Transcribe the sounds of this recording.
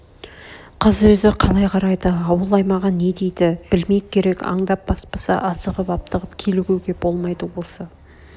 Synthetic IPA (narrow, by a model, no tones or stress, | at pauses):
qʰəzwɵzɪqʰɑlˠɑjqʰɑɾɑjd̪əɑwəlˠɑjmɑʁɑne̞d̪e̞jd̪ɪb̥ɪlme̞jkʲʰe̞ɾe̞kɑ̰ɴd̪ɑp̚b̥ɑspɑsɑ̰ʔɑsəʁəpɑp̚t̪əʁəp̚kʲʰe̞luɡʲe̞wɡʲe̞b̥o̞lˠmɑjd̪əwo̞lˠsɑ